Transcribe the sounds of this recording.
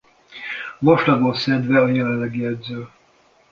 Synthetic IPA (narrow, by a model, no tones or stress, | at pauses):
vɒʃlɒɡolsɛd̪vɛɒjɛlɛlːɛɡiɛd̪zøː